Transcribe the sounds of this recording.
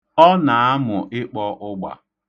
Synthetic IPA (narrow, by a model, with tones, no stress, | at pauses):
ɔ˦na˨a˦mʊ˨ʔɪ˦k͡pɔ˦ʔʊ˦ɡ͡ba̰˨